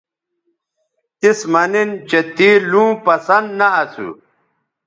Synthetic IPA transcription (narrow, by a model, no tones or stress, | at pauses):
t̪ismɐnint͡ɕet̪iːlũːpɐsɐnd̪nɐɐsṵ